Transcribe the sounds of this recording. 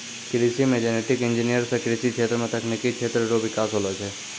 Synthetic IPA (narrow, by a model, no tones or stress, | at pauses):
kɪɾisimẽd͡ʒeneʈɪkɪ̃nd͡ʒinijəɾsekɾisikʰeːt̪ɾəmẽt̪ɐkʰnikikʰeːt̪ɾəɾoʋɪkaːsɦolot͡ʃʰe